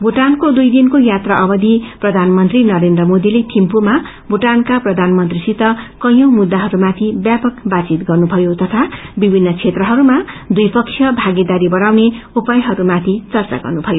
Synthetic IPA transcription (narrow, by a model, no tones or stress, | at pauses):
buʈankod̪ujd̪inkojat̪raʔʌbʌd̪iprʌd̪ʱanmʌnt̪rinʌɾend̪rʌmod̪ilet̪ʰimpuma | buʈankaprʌd̪ʱanmʌnt̪risit̪ʌkʌj̃ʌ̃wmud̪ːaɦʌɾumat̪ʰibjapʌkbat͡sit̪ɡʌrnubʱʌjot̪ʌt̪ʰabibʱinːʌt͡sʰet̪rʌɦʌɾumad̪ujpʌksʰjʌbʱaɡid̪aɾibʌɾawneupʌjɦʌɾumat̪ʰit͡sʌrt͡sa̰ɡʌ̰rnubʱʌjo